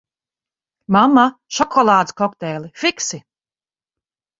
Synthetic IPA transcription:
mamːaʃɔkʰɔlˠaːd̪skɔkt̪ɛːlʲˠifiksi

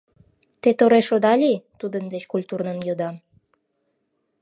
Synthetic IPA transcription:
t̪et̪oɾeʃod̪ɑlʲit̪ud̪ənd̪et͡ɕkulʲt̪urnənjod̪ɑm

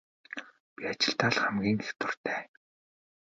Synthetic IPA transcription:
pʲiat͡ɕɪ̆ɬt̪aːɮχæmɡʲiːŋext̪ʊr̥t̪ʰæː

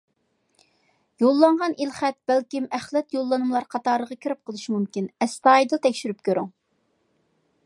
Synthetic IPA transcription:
jolˠːɑɴʁɑnilχæt̪̚b̥ælkʲimæχlɛt̪jolˠːɑnɨmlˠɑɾqʰɑt̪ɑɾəʁɑkʲʰiɾɪp̚qʰəlˠɨʃimumkʲinɛst̪ɑjd̪ɨt̪ʰɛkʲʃyɾyp̚kʲʰøɾyŋ

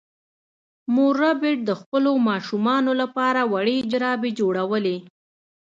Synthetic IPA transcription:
moɾabɪʈ̚d̪əxpəlomɑʃumɑnolapɑɾawaɽed͡ʒɾɑbed͡ʒoɽawəle

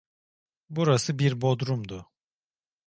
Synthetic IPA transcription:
buɾasɯbiɾbo̞d̪ɾumd̪ʊ

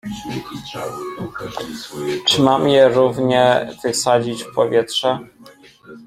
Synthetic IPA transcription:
t͡ʂɘmamjɛɾuvɲɛv̥ɘsad͡ʑit͡ɕfpɔvʲjɛtʂɛ

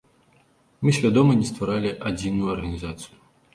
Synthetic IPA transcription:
mɨsʲvʲad̪ɔmɐnʲɛst̪vaɾalʲiʔad͡zʲinujɐrɣɐnʲizat̪sɨju

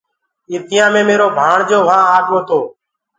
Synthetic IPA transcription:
iːt̪ɪjãːmẽːmeːɾoːbʱaːɳd͡ʒoːʋãːaːkoːt̪oː

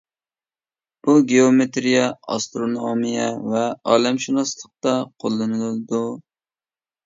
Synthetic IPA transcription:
buɡʲeomet̪ɾijɛɑ̰st̪ɾonomijɛvɛɑːlɛmʃinɑslˠəq̚t̪ɑqʰolˠːɨnɨlɨlˠɨd̪u

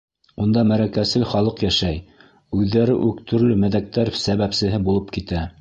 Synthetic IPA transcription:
und̪ɑmæɾækæsɘlχɑlˠɤqjæʃæj | ʉðːæɾɘʔʉkt̪ʰɵ̆ɾlɵmæðæk̚t̪æɾsæβæpsɘ̆ɦɘbulˠɤp̚kit̪æ

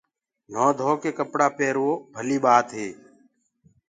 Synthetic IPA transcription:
n̤oːd̪ʱoːkeːkəpɽaːpeːɾʋoːbʱəliːɓaːt̪ɦeː

